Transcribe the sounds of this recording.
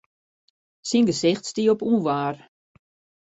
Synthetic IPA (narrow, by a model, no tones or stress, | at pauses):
sinɡəsɪxtstiopuːʋaːr